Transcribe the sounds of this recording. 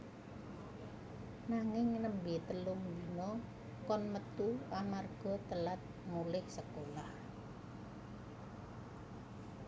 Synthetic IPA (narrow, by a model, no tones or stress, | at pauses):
naŋɪŋnəmbɪt̪əlʊmd̪inɔ | kɔnmət̪uamarɡ̥ɔ̤t̪əlat̪̚mulɪhsəkolah